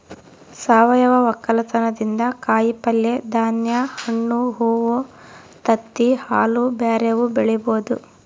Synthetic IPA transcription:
saːʋɐjɐʋɐʋɐkːɐlɐt̪ɐnɐd̪ind̪ɐkaːjipɐlːed̪aːnjɐhɐɳːuɦuːʋo | t̪ɐt̪ːihaːlubaːɾeʋubeɭɛboːd̪u

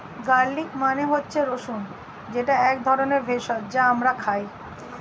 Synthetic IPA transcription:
ɡaɾlikmaneɦotːɕʰeɾoʃun | d͡ʑeʈaɛk̚d̪ʱɔɾoneɾbʱeʃɔd͡ʑaamɾakʰaj

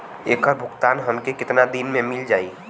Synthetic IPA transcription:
eːkəɾbʱʊkt̪aːnɦəmkekɪt̪nad̪inmẽmɪld͡ʒaːi

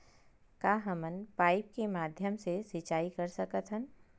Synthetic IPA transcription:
kaːɦəmənpaːɪp̚kemaːd̪ʱjəmsesɪt͡ʃaːikɐɾsɐkət̪ɦən

